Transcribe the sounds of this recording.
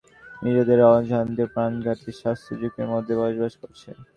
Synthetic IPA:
miɾod̪eɾɔd͡ʑʱand̪epɾanɡʱaʈiʃast̪ʰod͡ʑukeɾmod̪ʱːebɔʒbaʃkoɾt͡ɕʰe

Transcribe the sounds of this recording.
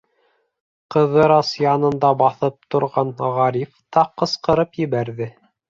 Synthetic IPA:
qɤ̆ðɤɾɑsjɑnɤ̆nd̪ɑbɑθɤp̚t̪ŏɾʁɑnʁɑɾift̪ɑqɤ̆sqɤ̆ɾɤpjɘ̆βæɾðɘ

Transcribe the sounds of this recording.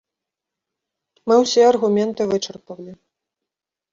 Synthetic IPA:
mɨwsʲɛɐrɣumʲɛnt̪ɨvɨt͡ʂɐrpɐwlʲi

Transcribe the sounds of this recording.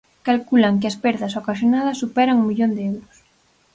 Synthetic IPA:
kalkulaŋkeɪɐspɛɾðɐsokaʃjonaðɐsːupɛɾaŋuŋmiʎond̪eɛwɾʊs

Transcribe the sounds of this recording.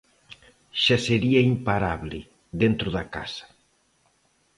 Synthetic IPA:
ʃaseɾiɐimpaɾaβlɪ | ðent̪ɾʊðɐka̰sɐ̥

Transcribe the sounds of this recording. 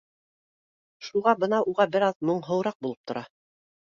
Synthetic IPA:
ʃuʁɑbɤnɑʔuʁɑbɘɾɑðmŏɴɦɤ̆wɾɑq̚bulˠɤp̚t̪ʰŏɾʔɑ

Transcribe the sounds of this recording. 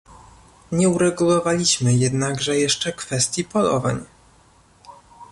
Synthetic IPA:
ɲɛuɾɛɡulɔvalʲiɕmɘjɛd̪naɡʐɛjɛʂt͡ʂɛkfɛst̪ʲjipɔlɔ̰va̰ɲ

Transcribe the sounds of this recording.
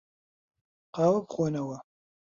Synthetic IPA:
qɑːwɐpχʷonɐwɐ

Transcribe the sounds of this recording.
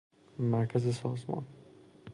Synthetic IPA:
mæɾkʰæzɪsɒːzmɒ̰n

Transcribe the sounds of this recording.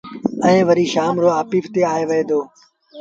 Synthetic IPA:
ə̃ẽːʋəɾiːʃaːmɾoːaːpiːft̪eːaːeːʋəɦẽːd̪oː

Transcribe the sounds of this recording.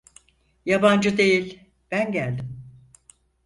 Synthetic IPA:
jaband͡ʒɯd̪e̞jilʲ | b̥ænɟælʲd̪ɪm

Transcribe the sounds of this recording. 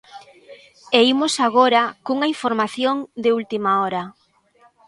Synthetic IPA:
eimosaɣoɾakuŋaiɱfoɾmaθjoŋd̪ɪult̪imaɔɾa

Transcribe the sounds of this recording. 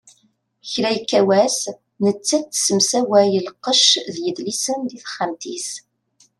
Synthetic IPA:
çɾæjkːæwæs | nət͡sːæt͡s̪ːsəmsæwæjəlqːəʃðjəðlisənd̪iθχːamt̪is

